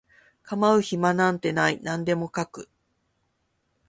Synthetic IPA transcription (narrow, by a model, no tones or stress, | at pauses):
kamaɯ̟çimanãnt̪e̞nainãnd̪e̞mo̞kakɯ̟